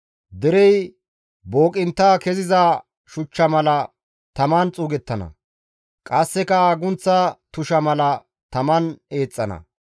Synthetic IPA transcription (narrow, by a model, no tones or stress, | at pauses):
d̪ɛɾɛj | bo̞ːkʼɪnt̪ːaːkɛzɪza | ʃʊt͡ʃːɐmɐlɐ | t̪ɐmɐnt͡sʼuːɡɛt̪ːɐnɐ̰ | kʼɐsːɛkɐaːɡʊnt͡sːɐt̪ʊʃɐmɐlɐ | t̪ɐmɐne̞ːt͡sʼːɐnɐ̰